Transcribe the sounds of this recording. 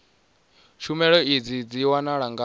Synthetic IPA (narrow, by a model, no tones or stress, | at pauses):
ʃumɛɺɔid͡zid͡ziwanaɺaŋɡa